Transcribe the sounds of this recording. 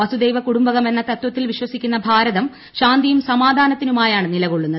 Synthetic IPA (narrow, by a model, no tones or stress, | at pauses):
ʋɐsud̪e̞jʋɐkuɽumbɐɣɐme̞nːɐt̪ɐt̪wɐt̪ːilʋiɕwɐsikʲːunːɐbʱaːɾɐðɐm | ɕaːnd̪ijumsɐmaːd̪ʱaːnɐt̪ːinumaːjaːɳɨnilɐɣo̞ɭːunːɐðɨ